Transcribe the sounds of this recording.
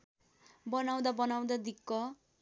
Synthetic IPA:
bʌnaw̃d̪abʌnaw̃d̪ad̪ikːʌ

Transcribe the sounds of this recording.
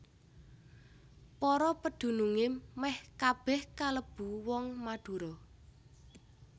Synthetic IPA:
pɔɾɔpəd̪̥ṳnuŋɪmɛhkab̥ɛhkaləb̥ṳwɔŋmaɖ̪̥ṳɾɔ

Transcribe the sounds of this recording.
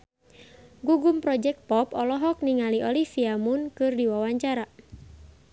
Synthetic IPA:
ɡuɡumpɾɔd͡ʒɛk̚t̪̚pɔpɔlɔɦɔk̚niŋaliʔɔlifiamʊnkɨrdiwawaɲt͡ʃaɾa

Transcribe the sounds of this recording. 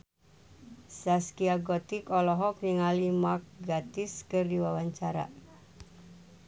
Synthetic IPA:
saskiaɡɔt̪ikɔlɔɦɔk̚niŋalimak̚ɡat̪iskɨrdiwawaɲt͡ʃaɾa̰

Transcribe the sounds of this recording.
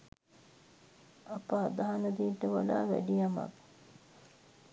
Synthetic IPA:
ɐpəad̪aɦanɐd̪iːʈəʋalaːʋæ̰ɖijama̰k

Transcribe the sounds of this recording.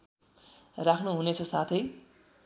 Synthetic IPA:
rakʰnuɦunet͡sʰʌsat̪ʰʌj

